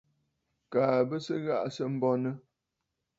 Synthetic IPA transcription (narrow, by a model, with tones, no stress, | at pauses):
kaː˨bə˦sə˦ɣa̰˦˨ʔsə˦m̩˦bɔ˦nə˦